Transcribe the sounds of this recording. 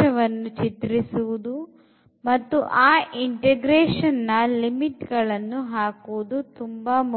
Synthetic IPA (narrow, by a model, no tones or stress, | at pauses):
ɐʋɐnːut͡ʃit̪ɾisuʋud̪u | mɐt̪ːuʔaːʔiɳʈeɡɾeːʂɐnːɐlimiʈɡɐɭɐnːuɦaːkuʋud̪ut̪umbaːmu